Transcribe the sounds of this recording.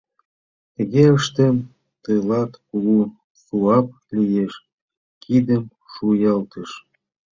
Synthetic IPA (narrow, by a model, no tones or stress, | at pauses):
t̪ə̆ɣeəʃt̪em | t̪əlɑt̪ulu | suɑp̚ | lijeʃ | kʰid̪əm | ʃujɑlt̪ə̆ʃ